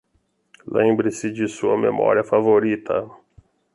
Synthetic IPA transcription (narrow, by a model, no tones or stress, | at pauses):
lʔẽbɾɪsɪd͡ʒɪsuɐmḛmɔ̰ɾiɐfavoɾit̪ʰɐ̰